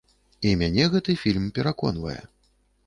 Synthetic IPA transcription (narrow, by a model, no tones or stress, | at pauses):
imʲanʲɛɣɛt̪ɨfʲilʲmpʲɛɾakɔ̰n̪vɐ̰jɛ̰